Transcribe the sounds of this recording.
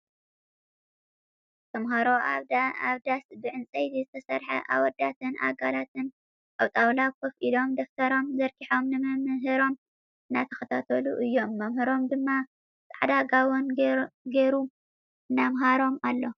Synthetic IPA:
t̪ʰɐmɦɐɾoa̰βaβd̪asbɨʕɨnt͡sʼɐjzizɨt̪ʰɐsɐɾħɐ̰ʔa̰wɔd̪at̪ʰɨnʔa̰ɡalat̪ɨn | kʼawt̪ʼawlakʰɐfʔilo̞md̪oft̪ʰɐɾo̞mzɐɾkʰiħo̞mnɨmɐmɦɨɾo̞m | ɨnːat̪ʰɐxɐt̪ʰat̪ʰɐluʔɨjːo̞mːɐmhɨɾo̞md̪ɨmːa | sʼaʕd̪aɡawonɡeɾu | ɨnamɦaɾo̞malːo̞

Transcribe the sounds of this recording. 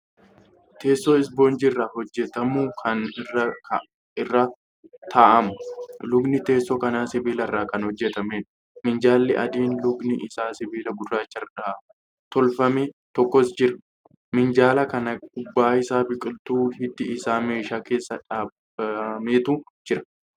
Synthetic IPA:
t̪ʰe̞ːsːoɪs̬bo̞ːnd͡ʒɪrːɐhɔd͡ʒːɛt̪ɐmʊkʰɐnɪrɐ | ɪrːɐ | t̪ʰaːʔɐmʊlʊɡnɪt̪e̞ːsːɔkɐnaːsɪbiːlɐrːaːkɐnhɔd͡ʒːɛt̪ɐmeːᶑ | mɪnd͡ʒaːlːɪʔɐ̰d̪iːnlʊɡnɪʔɪsaːsɪbiːlɐɡʊd̪ʊɾaːt͡ʃːɐɾᶑaː | t̪ɔlfɐmet̪ɔkːɔsd͡ʒɪɾɐ̥ | mɪnd͡ʒaːlɐkɐnɐk̚ʼʊbːaːɪsaːbɪkʼɪlt̪uːhɪt̪ːɪɪsaːme̞ːʃaːke̞ːsːɐᶑaːb | meːt̪uː | d͡ʒɪɾɐ̥

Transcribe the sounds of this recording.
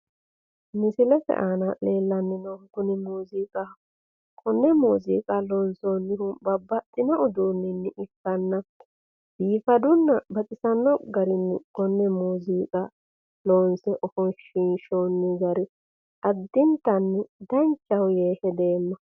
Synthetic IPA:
mɪsɪlɛfɛ̰ʔaːnɐle̞ːlːɐnːɪnoɡʊnɪmuːziːkʼɐ | kʰɔnːɛmuːzḭːkʼɐloːnsoːnːɪhʊbɐbːɐt̪ʼːɪnɔɔd̪uːnːɪnːɪʔɪkːɐnːɐ | b̥iːfɐd̪ʊnːɐbɐt̪ʼɪsɐnːɔɡɐɾɪnːɪ̰kɔnːɛmuːziːkʼɐ | loːnsɛʔɔfɔnʃiːnʃoːnːɪɡɐɾɪ | ɐd̪ːɪnt̪ɐnːɪd̪ɐnt͡ʃːɐwjeːhɛd̪e̞ːmːɐ

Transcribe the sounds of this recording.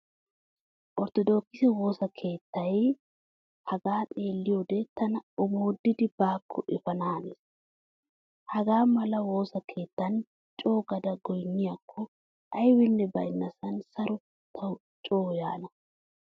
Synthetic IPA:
ʔɔɾt̪ɔd̪o̞ːkːɪsɛwo̞ːsɐkʰe̞ːt̪ːɐj | hɐɡaːnʼe̞ːlːɪjoːd̪ɛt̪ɐnɐʊmoːd̪ːɪd̪ɪbaːkʰːɔʔɪfɐnaːnes | hɐɡaːmɐlɐwo̞ːsɐkʰe̞ːt̪ːɐn | t͡ʃʼo̞ːɡɐd̪ɐɡɔjnːɪjakʰːɔ | ʔɐjwɪnːɛbɐʔɪnːɐsɐnsɐɾʊ | t̪ʰɐ | t͡ʃʼoːjaːnɐ

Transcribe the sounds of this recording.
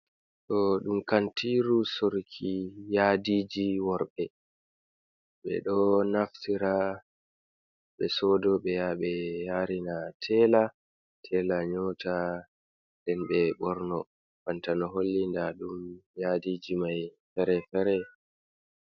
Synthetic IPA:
tɔɗumkantiɾusoɾkʰijadiːd͡ʒiwɔɾɓɛ | ɓɛ̰ɗɔnaftiɾa | ɓɛsɔːdɔɓɛjaɓɛjaːɾinatʰɛːla | tʰɛːlaɲɔːta | ndɛnɓɛɓɔɾnɔ | kantanɔɦolːindaɗumjadiːd͡ʒimajfɛɾɛfɛɾɛ

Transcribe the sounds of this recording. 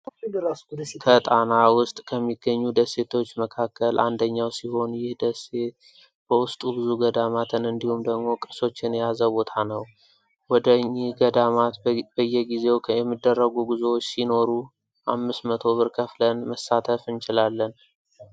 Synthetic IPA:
kʰət̪ʼanawʊst̪ʼkʰəmːiɡːəɲːud̪əsːe̞t̪ʰo̞t͡ʃːməkʰakːəlʔa̰nd̪əɲːawsiho̞njɪhd̪əse̞t̪̚ | bəwʊst̪ʼubɨzuɡəd̪amat̪ʰɨnɨnd̪ihumd̪əɡmo̞kʼɨso̞t͡ʃːɪnjazəbo̞t̪ʰanəw | wɔd̪əɲːɪhɡəd̪amat̪bəjːɛɡize̞wjɛmːɨd̪ːərːəɡuɡizewot͡ʃːsino̞ɾu | ʔa̰mːɨsmət̪ʰo̞βɨɾkʰəflənməsːat̪ʰəfɨnt͡ʃɪlalːən

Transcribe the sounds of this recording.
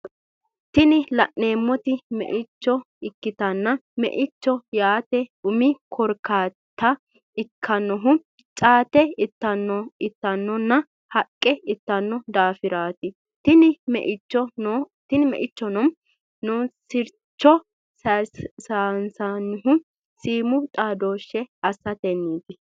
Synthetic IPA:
t̪ɪnɪlɐʔne̞ːmːɔt̪ɪmɛ̰ʔɪt͡ʃːɔ | ɪkːɪt̪ɐnːɐmɛ̰ʔɪt͡ʃːɔjaːt̪ɛʊmɪkʰɔɾkaːt̪ːɐ | ɪkʰːɐnːɔɦʊ | t͡ʃʼaːt̪ɛɪt̪ːɐnːɔɪt̪ːɐnːɔnːɐ | hɐkʼːɛɪt̪ːɐnːɔd̪aːfɪɾaːt̪ɪ | t̪ɪnɪmɛ̰ʔɪt͡ʃːɔn | t̪ɪnɪmɛ̰ʔɪt͡ʃːɔnɔm | nɔsɪɾ | t͡ʃːɔ | ssansɐnːɦʊ | siːmʊt̪ʼaːd̪o̞ːʃːɛɐsːɐt̪ɛnːiːt̪ɪ

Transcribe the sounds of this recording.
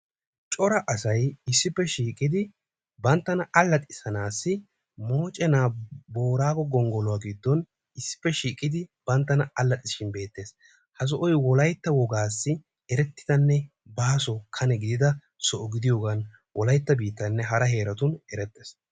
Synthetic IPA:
t͡ʃʼɔɾɐʔɐsɐjɪsːɪpːɛʃiːkʼɪd̪ɪ | bɐnt̪ːɐnɐɐlːɐt̪ʼɪsɐnaːsːɪ | moːt͡ʃʼɛnaːbo̞ːɾaːkɔɡɔŋɡɔlɔwaːɡɪd̪ːɔn | ɪsːɪ̥pːɛʃiːkʼːɪd̪ɪb̥ɐnt̪ːɐnɐɐlːɐt̪ʼɪsɪʃɪnbe̞ːt̪ːe̞ːs | hɐs̬ɔʔɔjwɔlɐjt̪ːɐwɔɡaːsːɪ | ɛɾɛt̪ːɪ̥d̪ɐnːɛ | baːsɔkʰɐnɛɡɪd̪ɪd̪ɐ | sɔʔɔɡɪd̪ɪjoːɡɐn | wʔɔlɐjt̪ːɐbiːt̪ːɐnːɛɦɐɾɐɦe̞ːɾɐt̪ʊnɛɾɛt̪ːeːs

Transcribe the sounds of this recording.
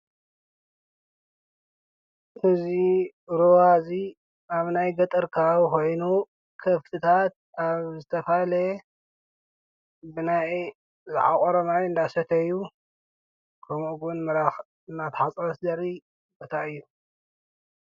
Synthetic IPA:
ʔɨzi | ɾuwazi | aβnajɡɐt̪ʼɨɾkʰaβko̞jnu | kʰɐft̪ʰɨt̪ʰat̪̚ | aβzɨt̪ʰɐfale | bɨnaj | zɨʕa̰kʼoɾɐmajɨnd̪asɐt̪ʰɐjːu | kʰɐmuɡunmɨɾax | ɨnːat̪ħat͡sʼɐɾɐsd̪ɐɾi | bot̪ʰaɨjːu

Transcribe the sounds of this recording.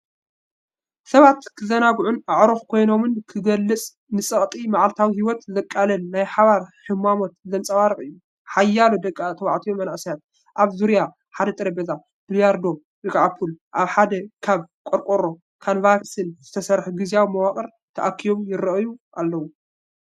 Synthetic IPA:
sɐβat̪kʰɨzɐnaɡʕunaʕɾoxkʰo̞jno̞mɨnkʰɨɡɐlːɨt͡sʼ | nɨsʼɐχʼt̪ʼimaʕalt̪ʰawihiwɔt̪zɐkʼːalɐnːajħaβaɾħɨmːamo̞t̪zɐnt͡sʼɐwaɾɨkʼɨjːu | ħajːalod̪ɐkʼːat̪ʰɐwa̰ʕt̪ʰijomːɐnaʔsijat̪̚ | ʔaβzuɾja | ħad̪ɐt̪ʼɨɾɐbeza | d̪̥lijaɾd̪o̞ | bɨkʼʕapʰulʔaβħad̪ɐkʰaβkʼoɾkʼoɾo̞ | kʰanvaksinz̥ɨt̪ʰɐsɐɾħɡɨzjawimɐwaχʼɐɾ | t̪ʰɐʔakʰːijo̞mjɪɾɐʔjuʔalːɐwu

